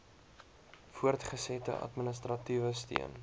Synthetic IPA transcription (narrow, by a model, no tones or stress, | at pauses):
fuərtχəsɛtə̰ʔɐ̰tmənəstrɐtivəstḭən